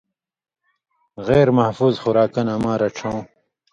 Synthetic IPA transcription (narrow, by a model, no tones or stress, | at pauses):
ɣeːɾmɐhfuːzxʊɾaːkɐnɐmaːɾɐʈ͡ʂʰãw